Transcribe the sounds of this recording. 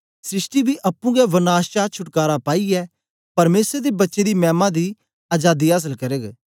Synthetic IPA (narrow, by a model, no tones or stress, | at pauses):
sɾɪsʈibʱiʔɐpːũɡɛʋənaːʃt͡ʃaːt͡ʃʰʊʈkaːɾapaːiɛː | pɐɾmeːsɾd̪ebɐtːʃed̪imɛ̃ːmãd̪iː | aːd͡ʒaːd̪iaːs̬əlkɐɾeːɡ